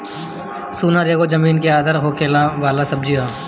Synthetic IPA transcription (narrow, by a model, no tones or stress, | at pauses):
suːnaɾeːɡod͡ʒɐmiːnkeaːd̪əɾɦoːkeːlaʋaːlasɐb̚d͡ʒiɦaː